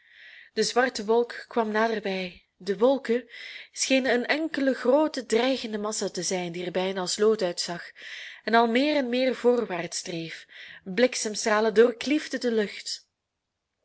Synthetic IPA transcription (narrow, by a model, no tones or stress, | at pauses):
d̥əzʋɑrtəʋɔlˠkːʋɑmnaːdərbɛj | dəʋɔlˠkəsxeːnənənɛŋkələɣroːtədrɛjɣəndəmɑsatəzɛjndiərbɛjnaːsloːtœɥtsɑxɛnɑlˠmɪːrɛnmɪːrvoːrʋaːrtstreːfblɪksəmstraːlədoːrklivdədəlɵxt